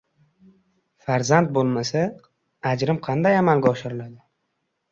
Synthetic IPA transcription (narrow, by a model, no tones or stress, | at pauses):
faɾzant̪̚bolˠmasa | ad͡ʒɾɪmqʰɑnd̪ajamalɡʲaɒʃɪɾɪlad̪ɪ